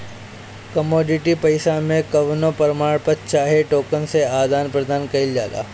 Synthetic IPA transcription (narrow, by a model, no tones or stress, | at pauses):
kɐmoːɖɪʈipɐɪsamẽkɐʋnopɐɾmaːɽpətt͡ʃaːɦeʈoːkənseaːd̪aːnpɾɐd̪ʱaːnkɐɪld͡ʒa̰ːla̰ː